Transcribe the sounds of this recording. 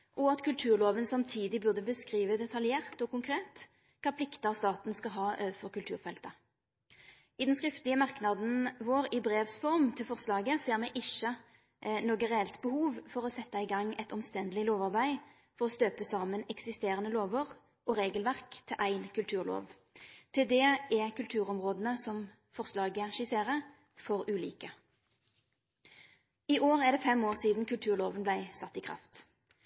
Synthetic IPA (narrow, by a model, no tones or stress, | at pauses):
ʔɔɑt̪kʰʉlt̪ʰʉːʁloːʋənsɑmt̪ʰiːd̪ɪbʉʁd̪əbəskʁiːʋəd̪ɛt̪ʰɑljeːʁt̪ɔkʊŋkʰʁeːt̪ | kʰɑːpʰlɪkt̪əɑst̪ɑːt̪n̩skɑɦɑːʔøʋəfɔʁkʉlt̪ʰʉːʁfɛlt̪ə | ɪd̪ɛnskʁɪft̪əlɪəmɑʁknɑd̪n̩ʋoːɾɪbʁeːʋsfɔʁmt̪ʰɪlfɔʁslɑːɡəseːʁmɛɪʔɪʃːə | noːɡəʁɛɛlt̪bəhuːʋfɔʁɔsɛt̪ːɑɪɡɑŋːɛɪt̪ɔmst̪ɛnd̪əlɪloːʋɑʁbæɪ | fɔʁɔst̪øːpəsɑːmənɛksɪst̪eːʁənəloːʋəʁ | ʔɔʁeːɡəlʋæʁkt̪ʰɪlʔæɪnkʰʉlt̪ʰʉːʁlo̰ːʋ | t̪ʰɪld̪ɛʔɛkʉlt̪ʰʉːʁɔmʁoːd̪ən̩əsɔm | fɔʁslɑːɡəʃɪseːʁəʁ | fɔʁʉːlḭːkə | iʔoːʁæʁd̪ɛfɛmoːʁsiːd̪n̩kʉlt̪ʰʉːʁloːʋənblæɪsɑt̪ːɪkʰʁɑ̰ft̪